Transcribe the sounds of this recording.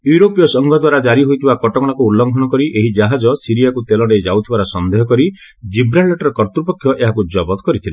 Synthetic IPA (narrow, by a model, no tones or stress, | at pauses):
juɾopijɔsɔŋɡʱɔd̪waɾad͡ʒaɾiɦojt̪ʰibakɔʈɔkɔɽ̃akuːlːɔŋkʰɔñɔkɔɾiʔeɦid͡ʒaɦad͡ʒɔsiɾijakut̪elɔɽejd͡ʒawt̪ʰibaɾɔsɔnd̪eɦɔkɔɾi | d͡ʒibɾalːeʈɔɾɔkɔɾt̪ɾupɔkʰjɔʔeɦakud͡ʒɔbɔt̪ɔ̥kɔɾit̪ʰile